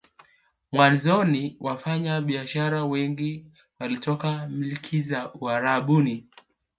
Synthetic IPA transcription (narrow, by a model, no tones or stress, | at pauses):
mwanzɔniwʔafaɲaɓiaʃaɾawɛŋɡi | walitɔkamilkʰizauaɾaɓuni